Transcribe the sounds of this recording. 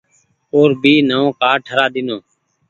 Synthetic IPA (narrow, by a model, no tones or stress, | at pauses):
oːɾbiːnəʋõːkaːʈʰəɾaːɗ̪ɪnoː